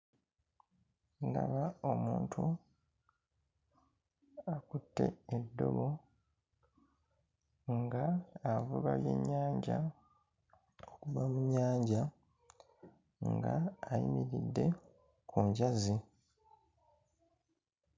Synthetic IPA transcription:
nda̰βaomuːntʰu | akutːe̞̰edːo̞̰βo̞ | ŋɡaːvuβaβje̞̰ɲːaːɲɟa | okuβamuɲːaːɲɟa | ŋɡaːjḭmiɾidːe̞ | kʰuɲɟazi

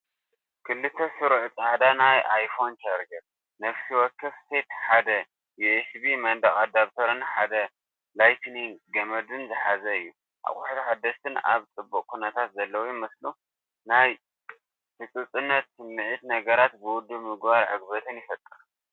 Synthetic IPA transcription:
kʰɨlːɨt̪ʰːɐsɨɾʕt͡s̪ʼaʕd̪anajʔajfo̞nt͡ʃʰaɾd͡ʒɐɾ | nɐfsiwɔkʰːɐfse̞t̪ħad̪ɐ | juesbimɐnd̪ɐχʼad̪aβt̪ʰɐɾɐnħad̪ɐ | lajt̪ʰniɡɐmɐd̪ɨnzɨħazɐɨjːu | ʔa̰χʼʊħt̪ħad̪ːɐʃt̪ʰɨna̰βt͡sʼɨbːukʼkʰunɐt̪ʰat̪zɐlːɐwjmɐslu | naj | tɨt͡sʼɨt͡sʼɨnːɐt̪sɨnmːɨʕit̪nɐɡɐɾat̪bɨwʊd̪ːɨβmɨɡbaɾʕɨ̰ɡbɐt̪ʰɨnjɪfɐt̪ʼːɨɾ

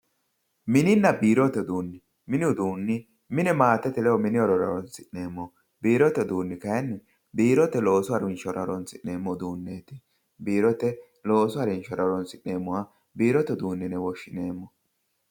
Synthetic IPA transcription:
mɪnɪnːɐbiːɾɔt̪ːɛd̪uːnːɪ | mɪnɪʊd̪uːnːɪ | mɪnɛmaːt̪ːɛt̪ɪlɛwɔmɪnɪɔɾɔɾɐ̰ɾɔnsɪnːeːmːɔ | biːɾɔt̪ːɛd̪uːnːɪkɐjɐnːɪ | biːɾɔt̪ːɛlo̞ːsʊɐɾɪnʃɔɾɐɾɔnsɪnːe̞ːmːɔd̪uːnːeːt̪ɪ̥ | biːɾɔt̪ːɛ | lo̞ːsʊɐɾɪnʃɔɾɐɾɔnsɪnːe̞ːmːʊwa | biːɾɔt̪ːɛd̪uːnːɪnɛwɔʃːɪne̞ːmːɔ

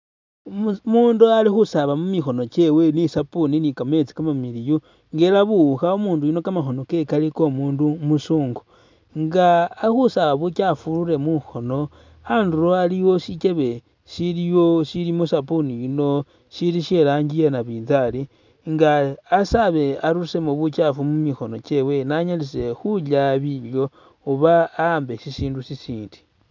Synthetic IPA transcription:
muːndualixusaβamumixo̞no̞t͡ʃe̞we̞nisapuninikame̞t͡si̥kamamiliju | ŋɡeɾaβuxaomuːndujino̞kamaxo̞no̞ke̞kaliko̞muːndumusuːŋɡu | ŋɡaːxusaβaβukafuluɾe̞muxo̞no̞ | anduɾoaliwo̞ʃit͡ʃe̞βe̞ | silijosilimusapuniino̞ | ʃiliʃelaːɲɡijenaβiːnzali | ŋɡaːsaβe̞aɾuusemoβucafumumixo̞no̞t͡ʃe̞we̞naɲalise̞xulaβiljo̞ | uβaːmbe̞sisiːndusisiːndi̥

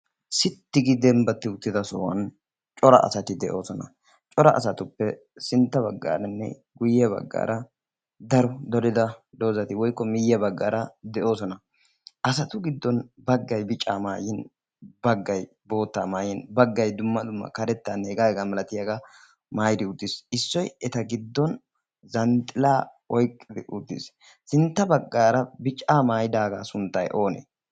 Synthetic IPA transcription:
sɪt̪ːɪɡɪd̪ɛmbɐt̪ːɪʊt̪ːɪd̪ɐsɔ̰ːwɐ̰n | t͡ʃʼɔɾɐ̰ʔɐ̰sɐt̪ɪd̪ɛʔo̞̰ːsɔnɐ̰ | t͡ʃʼɔɾɐʔɐ̰sɐt̪ʊpːɛ | sɪnt̪ːɐbɐɡːa̰ːɾɐnːɛ̰ | ɡʊjːɛbɐ̰ɡːa̰ːɾɐ | d̪ɐɾɔd̪ɔɾɪd̪ɐd̪o̞ːzɐt̪ɪwɔjkːɔmɪjːɛbɐɡːaːɾɐd̪ɛʔo̞ːsɔnɐ | ʔɐs̬ɐt̪ʊɡɪd̪ːɔnbɐɡːɐjbɪt͡ʃʼːaːmaːjɪn | bɐɡːɐj | bo̞ːt̪ːaːmaːjɪnbɐɡːɐjd̪ʊmːɐd̪ʊmːɐ̰kɐɾɛt̪ːaneːɡaːɡɛɡɐmɐlɐt̪ɪjɐɡɐ | maːjd̪ɪʊd̪ːɪsɪsːɔjɛt̪ɐɡɪd̪ːɔn | zɐnt̪ʼɪlaː | ɔjkʼːɪd̪ɪʔʊd̪ːɪ̰s | sɪnt̪ːɐbɐɡːaːɾɐbɪt͡ʃʼaːmaːjɪd̪aːɡasʊnt̪ːɐjʔo̞ːnḛ

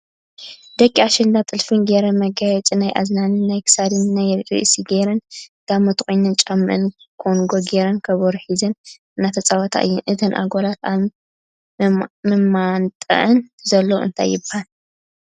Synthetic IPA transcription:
d̪̥ɐkʼːiaʃɨnd̪at̪ʼɨlfɨnɡeɾɐmɐɡɐt͡sʼinajʔa̰znanɨnːajkʰɨ̥sad̪ɨnnajɾḭʔsiɡeɾɐnd̪̥amot̪kʼujnɨnt͡ʃʼamːɨ̰ʔɨn | kʰonɡoɡeɾɐnkʰɐβoɾħizɨn | ɨnːat̪ʰɐt͡sʼawɔt̪ʰa̰ʔɨ̰jːɛnʔɨt̪ʰɨnʔa̰ɡolat̪a | mɨmant̪ʼɐ̰ʔɨnzɐlːoɨ̰nt̪ʰa̰jːɪbahal

